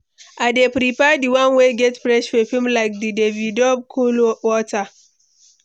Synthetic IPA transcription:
ʔadepɾipɛdiwãnweɡɛtfɹɛʃfɔfimlajk̚didevidɔb̚kʰolwɔtʰa

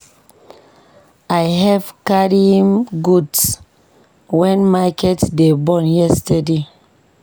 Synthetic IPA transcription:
ajɦɛv̥kaɾimɡuds | wɛ̃nmakɛtdebɔ̃njɛstɛde

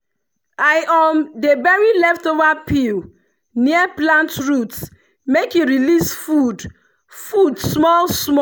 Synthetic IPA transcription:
ajʔɔmdebɛɹilɛftovapʰil | niɛplãntɹuts | mekiɹilisfud | fudsmɔlsmɔ

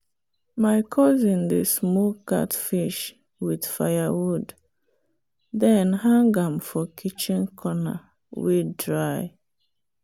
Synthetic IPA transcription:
maɪkʰɔzĩndesmɔka̰tfiʃ | wid̥fajawud | dɛnhãŋɡãmfɔkʰit͡ʃĩnkʰɔna̰ | widɹaɪ

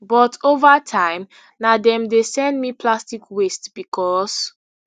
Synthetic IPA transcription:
bɔtʰovatʰãɪ̃m | nadɛ̃mdesɛ̃ndmipʰlastikwestb̥ikʰɔs

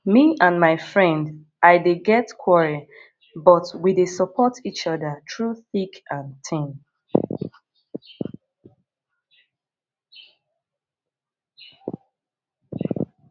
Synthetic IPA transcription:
miãnmaɪfɹɛ̃nd | ʔaɪdeɡɛtkʰwɔɹi | bʌtwidesəpʰɔtʰit͡ʃʌðətʰɹuθikãntʰĩn

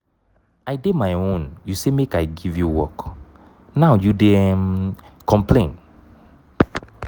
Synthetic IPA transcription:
aɪdemajõnjusemekajɡivjuwɔk | nawjude | kʰɔ̃mplẽn

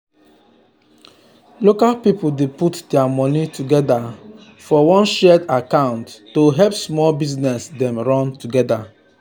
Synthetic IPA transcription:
lokalpipuldeputdɛamɔnituɡɛda | fɔwɔ̃nʃɛdakãʊ̃ntːoɦɛlpsmɔlbiznɛsdɛ̃mɹɔ̃ntuɡɛda

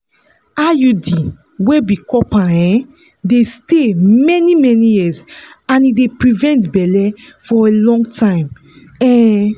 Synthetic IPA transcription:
ajudi | webikɔpãɛ̃ | destemɛnimɛnijiz | ãnidepɹivɛ̃ntbɛlɛ | fɔelɔ̃ŋɡtʰãɪ̃m | ɛ

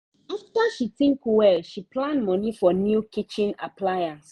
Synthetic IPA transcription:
aftaʃitɪ̃ŋkwɛʃipʰlãndmɔ̃nifɔnjukit͡ʃĩna̰pʰlajãns

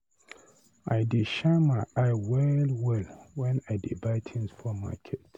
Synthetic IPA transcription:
aɪdiʃamaaɪwɛlwɛlwɛ̃naɪdibaɪtʰɛ̃nsfʰɔma̰kʰet

